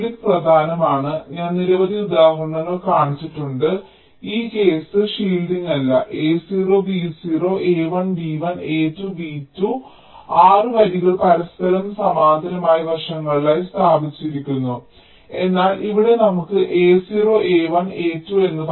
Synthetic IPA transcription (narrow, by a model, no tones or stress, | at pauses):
ikprɐd̪ʱaːnɐmaːɳɨɲaːnniɾɐʋɐd̪ʱiud̪aːɦɐrɳːɐnoɭkaːɳit͡ɕːiʈːuɳɖɨ | iːke̞ːsɨʂiːlɖiŋɐlːɐʔe̞ːsiːro̞ːbiːsiːro̞ːʔeːʋɐɳbiːʋɐneːtːubiːtːu | aːrɨʋɐɾiɣɐɭpɐɾɐst̪ʰɐlɐmsɐmaːd̪ʱɐɾɐmaːjɐʋɐʂɐŋːɐɭilaːjst̪ʰaːbʱit͡ɕːiɾikʲːunːu | e̞nːaːlʔiʋiɽe̞nɐmukːɨʔe̞ːsiːro̞ːʔe̞ːʋɐne̞ːtːue̞nːɨp